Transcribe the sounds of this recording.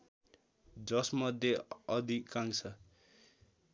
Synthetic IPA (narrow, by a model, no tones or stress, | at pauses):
d͡zʌsmʌd̪ʱjeʌd̪ʱikːaŋt͡sʰʌ